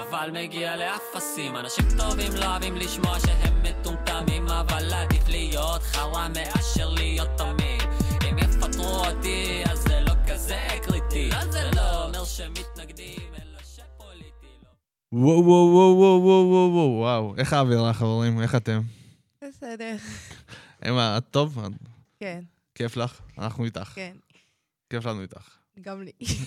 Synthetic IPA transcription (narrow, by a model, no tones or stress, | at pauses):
avalmeɡialeafasimanaʃimt̪o̞vimloavimliʃmoaʃeɦemːet̪umt̪amimavalːad̪iflijo̞t̪χaʁameʔaʃeʁlijo̞t̪ːamid̪imjefat̪ʁuot̪iazːelo̞kazekʁit̪iazeloomeʁʃemit̪naɡd̪iveloʃepolit̪ilo | wowowowowowowowwawʔeχaːviʁaχaveʁime̞χat̪e̞m | besɛd̪eʁ | ḛmaat̪ːova̰ | ken | keflaχa̰naχnuit̪aχkn | keflanuit̪aχ | ɡamli